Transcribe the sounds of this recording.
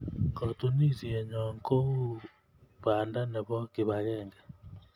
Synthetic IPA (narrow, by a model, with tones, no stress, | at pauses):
kɔ˨tu˦ni˦zi˨ɛ˨ɲɔ˨ŋko˦u˦ | βa˨nda˦nɛ˨βɔ˦kɪ˨βa˨ɣɛ˦˨ŋɡa˨